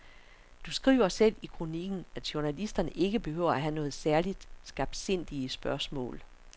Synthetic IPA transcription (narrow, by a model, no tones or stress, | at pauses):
d̥usɡ̥ʁḭːʊ̰ɐsel̰ikʰʁoniɡ̥n̩æd̥ɕuɐnælisd̥ɐnəʔe̝ɡ̥əb̥e̝høʊ̰ɐæɦænɔ̽ːð̞̩ˠsæɐlid̥sɡ̥ɑ̈b̥̚d̥se̝n̰d̥iəsb̥ɶɐsmɔ̰̽ːl